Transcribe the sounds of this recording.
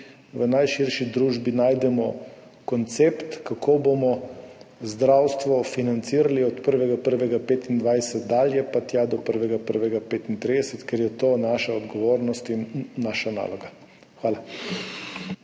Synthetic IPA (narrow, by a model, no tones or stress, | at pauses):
ʋənajʃiɾʃid̪ɾuːʒbinaːjd̪ɛmɔ | kɔnt̪sept̪kakʰobomɔ | zd̪ɾawst̪ʋɔfinant̪siːɾaliɔt̪pəɾʋɛɡapəɾʋɛɡapeːt̪ind̪ʋajsɛt̪d̪aːljɛpat̪jad̪ɔpəɾʋɛɡapəɾʋɛɡapeːt̪int̪ɾid̪ɛsɛt̪kɛɾjɛt̪oːnaːʃaɔd̪ɡɔʋoːɾnɔst̪inːaːʃana̰ːlɔɡa | xʋaːla